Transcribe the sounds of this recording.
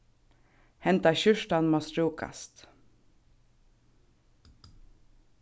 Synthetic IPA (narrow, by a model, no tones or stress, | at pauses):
hɛnt̪ɑçʏʃʈɑnmoːsɾuːkʰɑ̰st̪